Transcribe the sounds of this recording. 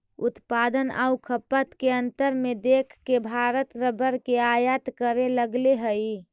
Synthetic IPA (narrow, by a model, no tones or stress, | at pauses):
ʊt̪paːd̪əna̰ukʰəpət̪keə̃nt̪əɾmẽd̪eːkʰkebʱaːɾət̪ɾəbəɾkeajət̪kəɾeləɡleɦəi